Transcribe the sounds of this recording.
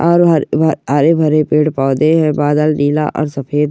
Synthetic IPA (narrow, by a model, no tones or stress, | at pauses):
ɔːɾɦaɾebʱɐɾepeːɽpɔːd̪eɦɛ̃baːd̪əlniːla̰ʔɔ̰ːɾsɐpʰeːd̪